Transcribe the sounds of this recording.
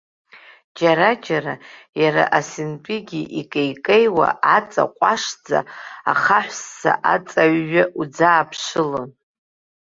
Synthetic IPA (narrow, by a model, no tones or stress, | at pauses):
d͡ʒaɾad͡ʒaɾajaɾa̰ʔasint͡pʼiɡʲiʔikʼejkʼejwa̰ʔat͡sʼa̰qʷʼaʂd͡za̰aχaħʷsːa̰ʔat͡sʼaɥːaʔud͡zaːpʰʂɨlon